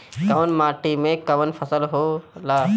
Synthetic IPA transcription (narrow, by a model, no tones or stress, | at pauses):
kɐʋənmaːʈimẽkɐʋənpʰɐsəlɦoːlaː